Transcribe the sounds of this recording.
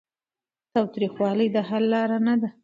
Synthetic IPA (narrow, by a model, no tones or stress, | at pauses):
t̪ɑwt̪ɾixwɑləjd̪əɦalːɑɾanad̪a